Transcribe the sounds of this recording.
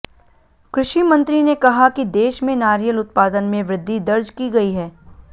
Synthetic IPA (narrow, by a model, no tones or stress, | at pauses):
kɾʊʃimɐ̃nt̪ɾinekɐɦakid̪eːʃmẽnaːɾijəlʊt̪̚paːd̪ənmẽʋɾɪd̪ʱːid̪ɐɾd͡ʒkiɡɐiɦɛː